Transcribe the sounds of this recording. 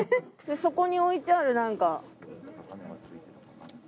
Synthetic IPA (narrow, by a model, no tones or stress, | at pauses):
eso̞ko̞ɲ̟io̞it͡ɕaɾɯ̟nãŋka